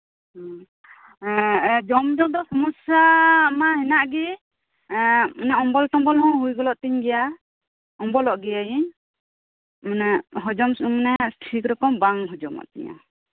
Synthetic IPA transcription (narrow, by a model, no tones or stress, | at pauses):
d͡ʒɔmd͡ʒɔd̪ɔsɔmɔsjamahɛnaʔɡi | mɔnaɔmbɔlt̪ɔmbɔlɦɔ̃ɦujɡɔlɔʔt̪iɲɡɛja | ɔmbɔlɔʔɡɛjajiɲ | mnɛɦɔd͡ʒɔmsumnɛsʈʰikɾɔkɔmbaŋɦɔd͡ʒɔma̰ʔt̪ɛ̰ɲa̰